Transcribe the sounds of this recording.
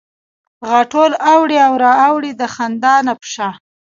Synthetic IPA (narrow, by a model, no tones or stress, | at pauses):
ɣaʈolawɽiawɾɑawɽid̪əxand̪ɑnapʃaɑ